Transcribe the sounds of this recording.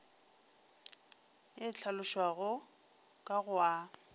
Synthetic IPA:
ɪt͡ɬʰalʊʃwaɣʊ | kʼaɣʊa

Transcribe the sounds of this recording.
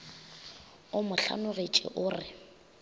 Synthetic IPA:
ʊmʊɬa̰nʊɣet͡ʃʼɪ̰ʔʊːrɪ

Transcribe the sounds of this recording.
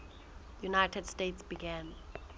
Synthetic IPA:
junajtʰɛd̥stetsb̥iɡɛ̃n

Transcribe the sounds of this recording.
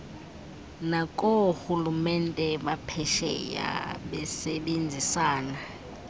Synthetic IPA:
nakʼoxulumɛntʼɛɓapʰɛʃɛ̰ja̰ɓɛsɛɓend͡zʱisaːna

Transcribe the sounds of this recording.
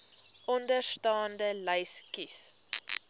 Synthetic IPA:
ʔɔndərstɑːndələjskis

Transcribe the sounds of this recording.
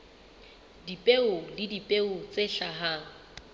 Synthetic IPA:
dipʼeʊlɪdipʼeʊt͡sʼeɬaɦa

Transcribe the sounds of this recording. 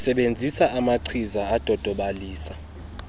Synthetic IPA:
sɛɓend͡zʱisaʔamaǀʰizaad̥ʱɔd̥ʱɔɓaliːsa

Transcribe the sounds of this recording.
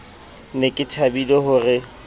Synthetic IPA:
nekʼɪtʰabilɔhʊrɪ

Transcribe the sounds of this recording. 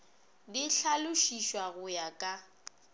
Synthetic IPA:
dɪɬalʊʃiʃwaɣʊjakʼa

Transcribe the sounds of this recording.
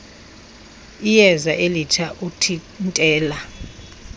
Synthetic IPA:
ijɛzaʔelit͡ʃʰaʔutʰi | ntʼɛːla

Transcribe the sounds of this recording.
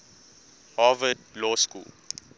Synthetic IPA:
havədlɔskṵːl

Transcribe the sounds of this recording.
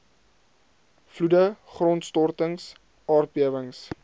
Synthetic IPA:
fludəχrɔntstɔrtəŋs | ɑːrbiəvəŋs

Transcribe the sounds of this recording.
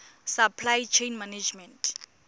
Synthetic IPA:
sapʰlajt͡ʃʰejnmaned͡ʒmɛntʰʼ

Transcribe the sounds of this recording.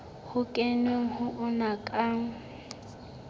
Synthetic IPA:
hʊkʼenɪŋ̩hʊʔʊnakʼaŋ̩

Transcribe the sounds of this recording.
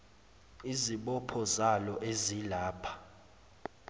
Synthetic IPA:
iziɓɔpʰɔzalɔʔezilaːpʰḁ

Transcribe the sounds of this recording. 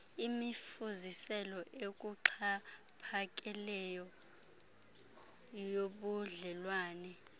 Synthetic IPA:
imifuzisɛlɔʔek̬ʼuǃʰa | pʰak̬ʼɛlɛjɔ | joɓuɮɛlwaːnɛ

